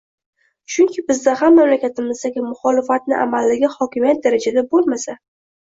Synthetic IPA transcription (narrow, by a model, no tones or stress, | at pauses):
t͡ʃʰʊŋkʲʰɪbɪzd̪aɦamːamlakʲʰat̪ʰɪmɪzd̪aɡʲɪmʊχɒlɪfat̪̚nɪʔa̰malːɪɡʲɪhɒkʲɪmijat̪̚d̪aɾad͡ʒad̪abolˠmasa